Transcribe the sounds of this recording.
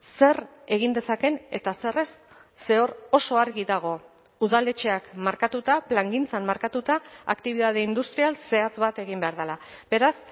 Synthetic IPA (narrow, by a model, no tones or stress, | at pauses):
se̞r | e̞ɣ̞ind̪e̞sake̞ne̞t̪ase̞re̞sː | e̞o̞ɾo̞so̞aɾɣiðaɣ̞o̞ | uðald̪e̞t͡ʃe̞akmaɾkat̪ut̪aplaŋɡint͡sanmaɾkat̪ut̪aakt̪iβ̞iðað̞eind̪ust̪ɾialse̞at͡sβat̪e̞ɣimbe̞aɾð̞elabe̞ɾas